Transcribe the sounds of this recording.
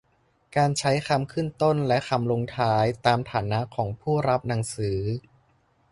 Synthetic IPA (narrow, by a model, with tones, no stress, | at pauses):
kaː˧nt͡ɕʰa˦˥jkʰa˧mkʰɯ˥˩nt̪o˥˩nlɛ˦˥ʔkʰa˧mlo˧ŋt̪ʰaː˦˥jt̪aː˧mt̪ʰaː˩˦na˦˥ʔkʰɔː˩˦ŋpʰuː˥˩ɾa˦˥p̚na˩˦ŋsɯː˩˦